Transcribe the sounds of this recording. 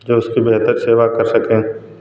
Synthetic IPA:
d͡ʒoːʊskibeɦt̪əɾseːʋakɐɾsɐkẽː

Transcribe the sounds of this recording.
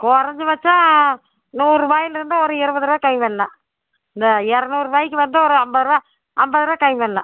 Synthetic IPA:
kɔɾɐɲd͡ʒɯʋɐt͡ʃːãː | nuːɾɯbaːjɪlɪɾɯnd̪ɯɔɾɯɪɾɯbɐðɯɾɯʋaːkɐɪmʋɐlːɐ | ɪnd̪ɐɛɾɐnuːrɯbaːjɪkːɯʋɐnd̪ɯɔɾɯɐmbɐðɯɾɯʋa | ɐmbɐðɯɾɯʋaːkɐɪmʋɐlːɐ̰̃

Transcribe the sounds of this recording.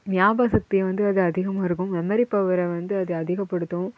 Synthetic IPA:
nɪjaːbaːsɐk̚t̪ːijɐʋɐnd̪ɯɐðɯɐðɪɣɐmaːɪɾɯkːɯmɛmɐɾɪpːɐʋɐɾɐʋɐnd̪ɯɐðɯɐðɪɣɐpːɐɽɯt̪ːũ

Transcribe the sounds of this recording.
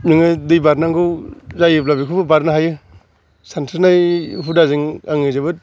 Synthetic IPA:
miŋɯdɯjbaɾnaŋɡɯwzajɯplabikʰubɯbaɾnaɦajɯ | santʰaɾnajɦudazɯŋaŋɯzabɯt̚

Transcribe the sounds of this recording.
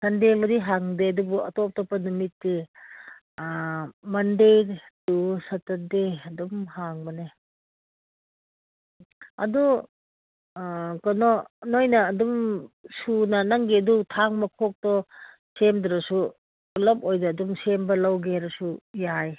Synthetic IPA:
sʰɐndebɐdiɦaŋdeɐdubuɐtɔp̚tɔpːɐnumitːi | mɐndejɾdusɐtɐdeɐdumhaŋbɐne | ɐ̰du | kɔnɔnojnɐːdumsunɐnɐŋɡiɐdutʰaŋmɐkʰok̚tɔ | semdɾɐsu | ulɐpojdɐːdumsembɐlɐwɡeɾɐsujaj

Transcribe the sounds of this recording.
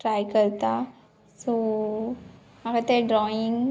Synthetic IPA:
ʈɾajkəɾt̪a | so | maɡat̪eɖɾɔiŋɡ

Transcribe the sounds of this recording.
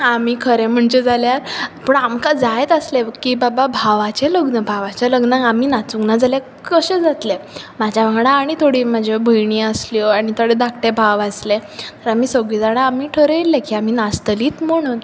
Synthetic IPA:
amiːkʰəɾẽm̤əɳt͡ɕed͡zaljaɾapəɳamkad͡zajet̪əslekiːbababʱaʋat͡ɕeləɡnəbʱaʋat͡ɕaləɡnaamiːnat͡suŋnad͡zalja | kəɕẽd͡zat̪lemad͡ʑʱjaʋaɡɽãːɽ̃it̪ʰoɽiːmad͡ʑʱebʱəjɳ̃iːəsljaɽ̃it̪ʰəɽed̪akʈebʱaʋaslet̪əɾamiːsəɡɭid͡zaɽ̃ãamiːʈʰəɾeelːekiːamiːnast̪əliːt̪m̤əɽ̃uːn

